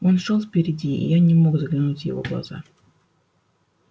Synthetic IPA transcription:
o̞nʂolˠfpʲɪɾʲɪdʲiḭjanʲɪmo̞ɡzəɡlʲɪnutʲjɪ̰vo̞̰ɡlˠɐ̰z̥a̰

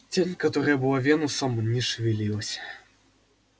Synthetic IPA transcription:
t͡sʲenʲkat̪ɔɾɐjɐbɨwavʲenusɐmnʲɛʂvʲilʲilˠɐsʲɐ̥

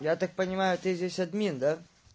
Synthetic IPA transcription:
jat̪ak̚pənʲɪmajʊt̪ɨzʲesʲɐd̪mʲind̪a

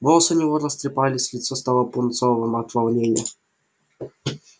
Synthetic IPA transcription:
volˠəsɨnʲɪvoɾəst̪ɾʲɪpalʲɪsʲlʲɪt̪sɔst̪alˠəpʊnt̪sovɨmɐt̪vɐlˠnʲenʲɪjə

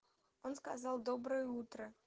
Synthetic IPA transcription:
onskazɑlˠd̪obɾəjut̪ɾə

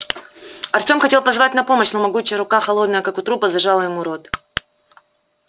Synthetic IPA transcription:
ɐrtʲo̞mxɐtʲe̞lˠpɐzvatʲnɐpo̞məɕnomɐɡut͡ɕɪjəɾʊkaxɐlˠo̞d̪nəjəkakʊt̪ɾupəzɐʐalˠəjɪmuɾo̞t̪

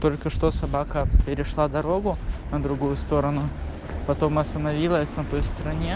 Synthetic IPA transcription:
t̪o̞lʲkəʂt̪o̞sɐbakəpʲɪɾʲɪʂlˠad̪ɐɾo̞ɡʊnəd̪ɾʊɡujʊst̪o̞ɾənʊ | pɐt̪o̞mɐst̪ənɐvʲilˠəsʲnɐt̪o̞jst̪ɾɐnʲe̞

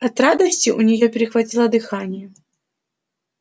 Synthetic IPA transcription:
ɐt̪ɾad̪ɐsʲt͡sʲiʔunʲɪjɔpʲɪɾʲɪxvɐtʲilˠɐd̪ɨxanʲɪjɛ

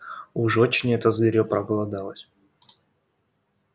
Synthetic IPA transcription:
ʊʐot͡ɕnʲɪɛt̪əzɡʲɪɾʲopɾɐɡəlˠɐd̪alˠəsʲ

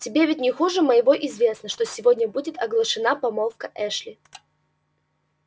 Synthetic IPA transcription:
tʲɪbʲevʲɪt̚ʲnʲɪxuʐɨməjɪvo̞ʔɪzvʲe̞snəʂt̪osʲɪvodʲnʲəbudʲɪt̪ɐɡlˠəʂɨnapɐmolˠfkəʔɛʂlʲɪ

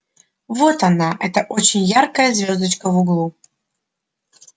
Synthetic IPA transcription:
votanaʔɛt̪ɐʔot͡ʃenʲjarkɐjɐzʲvʲozd̪ɐt͡ʃkəvuɡlˠu

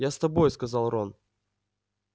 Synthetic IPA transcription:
jast̪ɐbo̞jskɐzɑlˠron

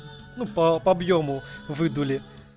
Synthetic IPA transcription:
nupɐpɐɐbjomʊvɨd̪ulʲɪ

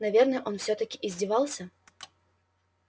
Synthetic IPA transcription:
navʲɛrnɨɛʔɔnwsʲɔt̪ɐkʲiʔizʲd͡zʲivalˠsʲɐ

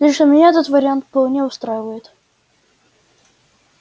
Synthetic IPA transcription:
lʲɪʂəmʲɪnʲaɛt̪ət̪vəɾʲɪant̪fpɐlˠnʲeʊst̪ɾajɪvəjɪt̪

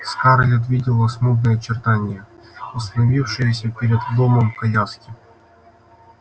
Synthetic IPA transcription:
skaɾlʲɪt̪vʲidʲɪlˠəsmub̪nəjət͡ɕɪrt̪anʲɪjəʊst̪ɐnɐvʲifʂɨjəsʲəpʲeɾʲɪd̪ːoməmkɐjaskʲɪ

